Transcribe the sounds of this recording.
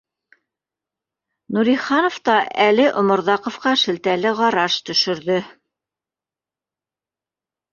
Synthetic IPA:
nuɾiχɑnŏft̪ɑʔælɘʔŏmŏɾðɑqŏfqɑʃɘ̆lt̪ælɘʁɑɾɑʃt̪ɵ̆ʃɵ̆ɾðɵ

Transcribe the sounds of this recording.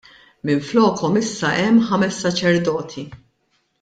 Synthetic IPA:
mɪɱflɔːkʰɔmɪsːɐʔɛmːħɐmɛsːɐt͡ʃɛɾd̪ɔːt̪ʰi

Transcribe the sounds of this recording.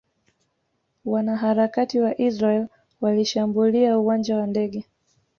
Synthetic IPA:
wanaɦaɾakatiwaʔizɾaɛl | waliʃambuliauwand͡ʒawandɛɠɛ

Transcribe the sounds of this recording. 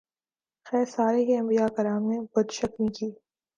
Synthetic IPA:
xɛːɾsaːɾekeɐ̃mbijakɐɾaːmnebɐd̪ʃɐkmĩkiː

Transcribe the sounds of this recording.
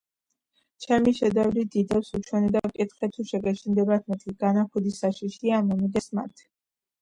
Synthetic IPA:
t͡ʃʰɛmiʃɛd̪ɛvlid̪id̪apsut͡ʃʰwɛnɛbakʼit̪χɛt̪ʰuʃɛɡɛʃind̪ɛbat̪ʰmɛt̪ʰiɡanaχud̪isaʃiʃiamɔmiɡ̪ɛsma̰t̪ʰ

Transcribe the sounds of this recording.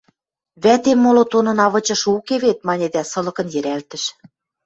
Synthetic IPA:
βæt̪emːolot̪onɤ̆nɑβɤ̆t͡ɕɤ̆ʃukeβet̪̚mɑnʲed̪æsɤ̆lɤ̆kɤ̆njɘ̆ɾælt̪ɘ̆ʃ

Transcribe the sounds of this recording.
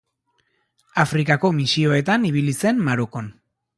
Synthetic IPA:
afɾikako̞misio̞e̞t̪aniβ̞ilise̞mmaɾoko̞n

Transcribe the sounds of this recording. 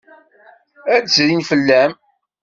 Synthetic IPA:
ædsɾinfəlːæm

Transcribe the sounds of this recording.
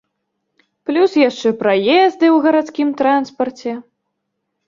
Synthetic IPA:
plʲusjaʂt͡ʂɛpɾajɛzd̪ɨwɣɐɾat̪skʲimt̪ɾanspɐrt͡sʲɛ

